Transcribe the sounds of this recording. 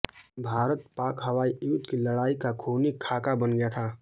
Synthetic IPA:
bʱaːɾət̪paːkɦəwaːijud̪kiləɽaːikakʰoːnikʰːaːkabənɡəjat̪ʰaː

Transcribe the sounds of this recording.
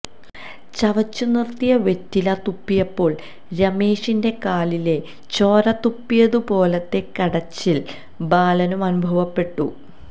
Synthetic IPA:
t͡ɕɐʋɐt͡ɕːunirt̪ːijɐʋe̞tːilɐt̪upːijɐpːo̞ːɭ | ɾɐme̞ːʂinde̞kaːlile̞ | t͡ɕo̞ːɾɐt̪ːupːijɐðupo̞ːlɐt̪ːe̞kɐɽɐt͡ɕːil | baːlɐnumɐnubʱɐʋɐpːe̞ʈːu

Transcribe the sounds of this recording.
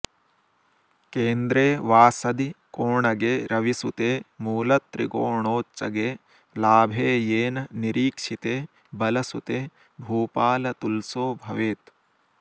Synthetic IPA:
keːnd̪ɾeːʋaːsɐd̪ikoːɳɐɡeːɾɐʋisut̪eːmuːlɐt̪ɾḭkoːɳoːt͡ʃːɐɡeː | laːbʱeːjeːnɐniɾiːkʂit̪eː | bɐlɐsut̪eː | bʱuːpaːlɐt̪ulsoːbʱɐʋeːt̪

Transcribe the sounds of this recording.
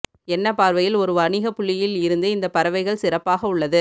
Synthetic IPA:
ɛnːɐpaːɾʋɐjɪlɔɾɯʋɐɳɪɣɐpːʊɭːɪjɪlɪɾɯnd̪ɯɪnd̪ɐpːɐɾɐʋɐɪɣɐɭsɪɾɐpːaːɣɐʊɭːɐðɯ

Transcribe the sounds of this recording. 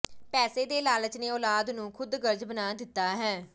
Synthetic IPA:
pɛːseːd̪eːlaːlət͡ʃneːɔːlaːd̪nũːkʰʊd̪ɡəɾd͡ʒbənaːd̪ɪt̪ːaːɦɛː

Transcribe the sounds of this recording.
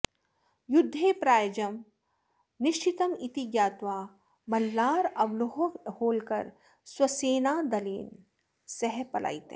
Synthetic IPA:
jʊd̪ʱːeːpɾaːjd͡ʒɐm | nɪʃt͡ʃɪt̪əmit̪iɡjaːt̪waː | mɐlːaːɾɐʋloɦhoːlkɐ̰ɾ | swɐseːnaːd̪ɐlḭːn | sɛɦpɐlʔa̰ːit̪ḛ

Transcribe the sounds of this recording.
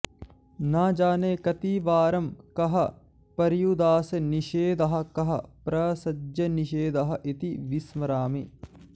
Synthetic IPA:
naːd͡ʒaːneːkɐt̪iːʋaːɾɐmkɐɦɐ | pɐɾjud̪aːsɐniʃeːd̪ɐɦɐ̆kɐɦɐ̰pɾɐsɐd͡ʒɐniʃeːd̪ɐɦɐ̆ʔit̪iʋismɐɾaːmi

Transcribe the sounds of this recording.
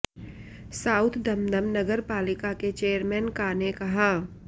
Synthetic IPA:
saːʊt̪ʰd̪ɐmd̪əmnɐɡəɾpaːlɪkaket͡ʃeːəɾmɛːnkaːnekɐɦaː

